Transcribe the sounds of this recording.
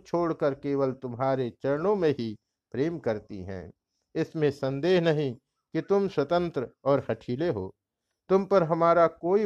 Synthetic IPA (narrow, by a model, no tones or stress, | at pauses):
t͡ʃʰoːɽkəɾkeːwəlt̪ʊmɦaːɾet͡ʃɐɾɳõmẽɦi | pɾeːmkɐɾt̪ḭɦɛ̰̃ː | ɪsmẽsɐə̃nd̪eːɦnɐɦĩ | kit̪ʊmswɐt̪ə̃nt̪ɾəɔːɾhɐʈʰiːleɦo̰ː | t̪ʊmpəɾɦɐmaːɾakoːi